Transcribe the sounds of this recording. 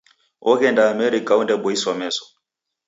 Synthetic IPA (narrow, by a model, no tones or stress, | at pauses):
ʔɔɣɛndaːmɛɾikaundɛbɔisɔmɛsɔ̥